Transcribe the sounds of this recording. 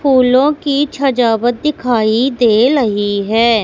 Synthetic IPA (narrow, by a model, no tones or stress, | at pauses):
pʰuːlõːkiːt͡ʃʰəd͡ʒaːbət̪̚d̪ɪkʰaːid̪eːɾəɦiɦɛː